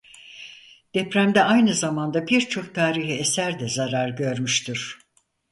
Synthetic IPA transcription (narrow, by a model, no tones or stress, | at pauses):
d̪̥ɛpɾæmd̪ɛajnɯzamand̪abiɾt͡ʃʰo̞k̚t̪ʰaːɾiɦiesæɾd̪ɛzaɾaɾɟø̞ɾmyʃt̪ʰyɾ̥